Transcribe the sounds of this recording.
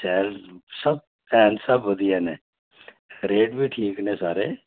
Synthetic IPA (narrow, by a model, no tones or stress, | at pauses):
sɛːlsəb̚ | pɛːnsəbɦoːd̪iɛːneː | ɾeːɖbiːʈʰiːknẽːsaːɾeː